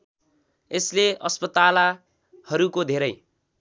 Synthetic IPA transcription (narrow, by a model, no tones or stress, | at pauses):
esleʔʌspʌt̪ala | hʌɾukod̪ʱeɾʌj